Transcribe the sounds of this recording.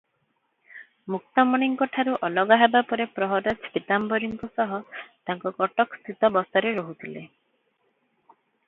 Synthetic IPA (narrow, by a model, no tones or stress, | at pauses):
muk̚t̪ɔmɔɽ̃iŋkɔʈʰaɾuʔɔlɔɡaɦebapɔɾepɾɔɦɔɾɔt͡ʃʰit̪ambɔɾiŋkɔsɔɦɔt̪aŋkɔɡɔʈɔkst̪ʰit̪ɔbɔst̪ɔɾeɾɔɦut̪ʰile